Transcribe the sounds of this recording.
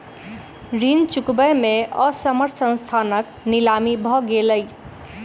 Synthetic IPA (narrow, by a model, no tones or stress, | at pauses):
ɾint͡ʃukbəjmeəsəməɾt̪ʰsə̃nst̪ʰanək | nilamibʱɔɡeləj